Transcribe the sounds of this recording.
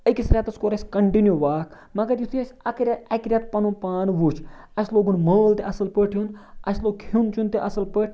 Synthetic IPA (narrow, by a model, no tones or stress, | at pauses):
əkisɾʲaːt̪ɐskoːɾɐsʲkɐɳʈinjuʋaːkʰ | mɐɡɐɾjut̪ʰiɐsʲɐkɾʲaɐkɾʲjat̪̚pɐnũpaːnʋut͡ʃʰ | ɐsʲloːɡunməːlt̪eɐsɐlpəʈʰjunɐsloːɡ̚kʰiunt͡ʃʰunt̪eʔɐsɐlpəʈʰ